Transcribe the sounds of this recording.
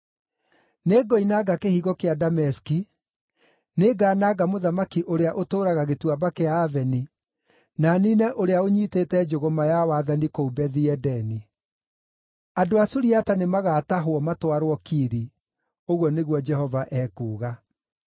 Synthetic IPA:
neɡɔinaɡakehiːɣɔkeadamɛski | neːɡaːnaːɡamoðamakiʔoɾeaʔotoːɾaɣaɣetwabakeaːvɛni | naninɛʔoɾeaoɲiːteːtɛd͡ʒoɣomajawaðanikoubɛðiɛdɛni | adoasuɾiatanemaɣaːtaɦoɔmatwaɾwɔkiɾi | oɣwɔneɣwɔd͡ʒɛhɔvaʔɛkuːɣa

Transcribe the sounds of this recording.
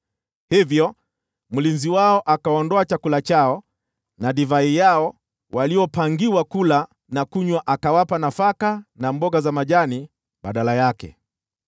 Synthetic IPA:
hivjɔ | mulinziwaɔʔakaɔndɔat͡ʃakulat͡ʃaɔ | naɗivaijaɔ | waliɔpaŋɡiwakula | nakuɲwaʔakawapanafakanambɔɡazamaʄani | ɓaɗalajakɛ̰

